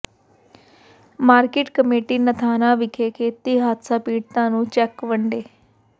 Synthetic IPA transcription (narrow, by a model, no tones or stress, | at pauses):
maːɾkeːʈkəmeːʈiːnət̪ʰaːnãːʋɪkʰeːkʰeːt̪iːɦaːt̪saːpiːɽt̪ãːnũːt͡ʃɛːkʋəɳɖeː